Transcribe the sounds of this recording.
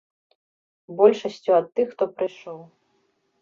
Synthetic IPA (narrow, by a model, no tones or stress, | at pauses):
bɔlʲʂɐsʲt͡sʲuɐt̪ːɨxːt̪ɔpɾɨjʂɔw